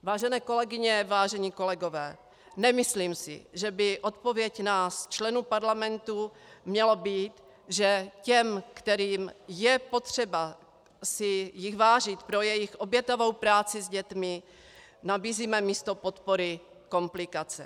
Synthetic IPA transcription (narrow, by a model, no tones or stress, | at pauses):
vaːʒɛnɛːko̞lɛɡɪɲɛvaːʒɛɲiːko̞lɛɡo̞vɛː | nɛmɪsliːmsɪ̰ʒɛbɪʔo̞t̪po̞vjɛcnaːst͡ʃlɛnuːpaɾlamɛnt̪u | mɲɛlobiːt̪ | ʒɛcɛmkt̪ɛɾiːmjɛpo̞t̪r̝̥ɛba | sɪjɪxvaːʒɪt̪pɾojɛjɪxʔo̞bjɛt̪ovo̞wpɾaːt͡sɪzɟɛt̪mɪ | nabiːziːmɛmiːst̪o̞po̞t̪po̞ɾɪ | ko̞mplɪkat͡sɛ̰